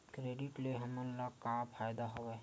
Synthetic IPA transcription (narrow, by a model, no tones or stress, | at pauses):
kɾeːɖɪʈleɦəmənlakapʰaːjd̪aɦoʋɛ